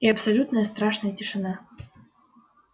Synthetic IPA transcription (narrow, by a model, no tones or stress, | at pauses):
iɐpsɐlʲut̪nəjəst̪ɾaʂnəjətʲɪʂɨna